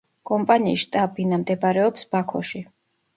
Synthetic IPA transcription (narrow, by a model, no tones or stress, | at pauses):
kʼɔmpʼaniːsʃt̪ʼabinamd̪ɛbaɾɛɔpsbakʰɔʃi